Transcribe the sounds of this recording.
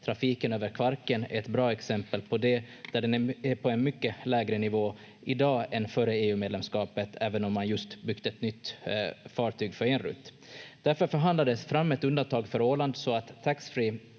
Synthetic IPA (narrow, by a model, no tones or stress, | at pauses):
t̪ʰɾafiːkənøːvəɾkʰvaɾkənɛt̪bɾɑːɛksɛmpəlpʰɔd̪ɛ | d̪̥æɖɛnæɛpʰɔɛnmʏkːəlɛːɡɾənɪvoː | ʔɪd̪ɑːɛnfœɾəeːʉːmeːd̪lɛmskɑːpət̪ʰæːvənɔmːanjɵst̪bʏkt̪əɛt̪nʏt̪ːfɑːʈʰyːɡfœɾɛnɾɵ̰t̪ː | d̪̥æɾfœɾfœɾɦand̪lad̪əsfɾamːɛt̪ɵnd̪ant̪ʰɑːɡfœɾoːland̪sɔat̪ʰːaksfɾiː